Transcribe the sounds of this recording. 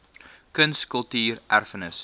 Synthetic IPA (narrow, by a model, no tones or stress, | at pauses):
kənskəlˠtiːrʔærfənəs